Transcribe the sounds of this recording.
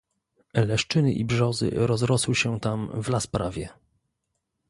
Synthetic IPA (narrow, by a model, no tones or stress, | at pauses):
lɛʂt͡ʂɘnɘ̰ʔḭbʐɔzɘ̰ɾɔzɾɔswɘɕɛt̪amvlaspɾavʲjɛ